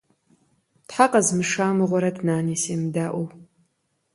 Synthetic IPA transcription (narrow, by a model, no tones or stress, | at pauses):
tħaqɐzmɨʂaːmɨʁʷɔɾɐdnaːniseːmdaːʔʷow